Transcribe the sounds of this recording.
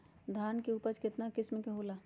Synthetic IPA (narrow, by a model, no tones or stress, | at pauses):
d̪ʱaːnkeuːpəɾt͡ʃkɪt̪nakɪsmẽkeɦoːla